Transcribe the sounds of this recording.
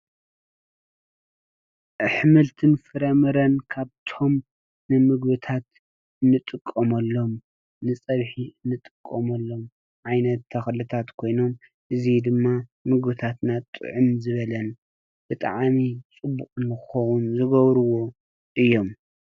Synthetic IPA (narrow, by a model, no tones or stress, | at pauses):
ʔɨħmɨlt̪ʰɨnfɨɾɐmɨɾɐnkʰaβt̪ʰo̞m | nɨmɨɡbɨt̪ʰat̪ | ɨnːɨt̪ʼɨkʼːɐmɐlːo̞m | nɨt͡sʼɐβħiɨnːɨt̪ʼɨkʼːɐmɐlːo̞m | ʕajnɐt̪ʰːɐxlɨt̪ʰat̪kʰo̞jno̞m | ʔɨzid̪ɨmːamɨɡbɨt̪ʰat̪nat̪ʼːɨ̰ʕʊmzɨβɐlɐn | b̥ɨt̪ʼa̰ʕmit͡sʼɨbːukʼnːɨxɨxɐwunzɨɡɐβɾɨwo̞ | ʔɨjːo̞m